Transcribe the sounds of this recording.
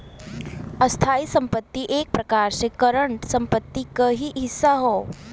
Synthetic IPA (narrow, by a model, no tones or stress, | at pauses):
əst̪ʰaiːsəmpət̪ːiʔek̚pɾəkaɾsekəɾəɳʈsəmpət̪ːikəɦiɦisːaɦo